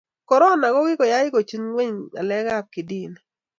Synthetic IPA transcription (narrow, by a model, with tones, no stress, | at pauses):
kɔ˨ɾɔ˦˨na˨ɡɔ˦ɡɪ˦kɔ˨ja˦ɪ˦ko˨t͡ʃu˦nwe˦ɲa̰˨lɛ˦ɡa˦˨p̚kɪ˨di˦˨n˨